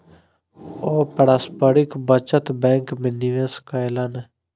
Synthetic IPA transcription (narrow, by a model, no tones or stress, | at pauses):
oːpəɽaːspəɾɪkbət͡ʃət̪bɛ̃ːŋkmɪnːiʋẽːskajlane